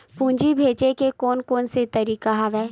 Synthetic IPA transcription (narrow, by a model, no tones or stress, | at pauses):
pũːɲd͡ʒibʱeːt͡ʃekekɔːnkoːnset̪ɐɾiːkaɦɐʋɛː